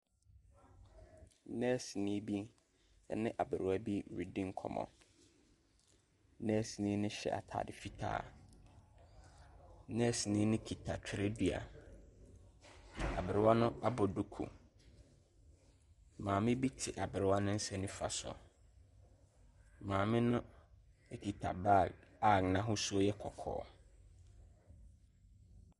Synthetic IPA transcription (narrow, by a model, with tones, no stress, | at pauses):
nɛ̃˦˨si˨nĩ˦bi˦ | nɪ̃˦ʔa˨bɪ˨ɾɪ˨wa˦bi˦˨ɾi˨dĩ˦ŋ̩˦kʰɔ̰˨mɔ̰̃˨˦ | nɛ̃˦si˨nĩː˦nʊ̃˦ɕɛ̰˨ʔa̰˨tʰa̰ː˨dɪ˨fi˦tʰa̰ː˨˦ | nɛ̃˦si˨nĩː˦nɪ̃˦kʰi˨tʰa˨t͡ɕᶣʰɪ˨ɾe˦di˨a̰˨ | a˨bɪ˨ɾɪ˦wa˦nʊ̃˦a˦bɔ˨du˦kʰṵ˨ | mãː˨mɪ̃˦bi˦tʰɪ˨ʔa˨bɪ˨ɾɪ˦wa˦nʊ̃˦n̩˦sɛ̃˦nʊ̃˦fa̰˨sɔ̰˨ | mãː˨mɪ̃˦nʊ̃˦ | e˦kʰi˨tʰa̰˨ba˦˨a˦˨k̚nã˦ɦʊ˦su˦o˦jɛ˦kʰɔ˨kʰɔ̰ː˨˦˨